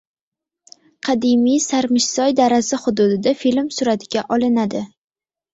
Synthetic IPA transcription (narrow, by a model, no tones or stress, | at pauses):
qʰɑd̪imijsaɾmɪʃsɒjd̪aɾasaχʊd̪ʊd̪ɪd̪afilmsʊɾat̪ʰɪɡʲaʔɒlˠɪnad̪ɪ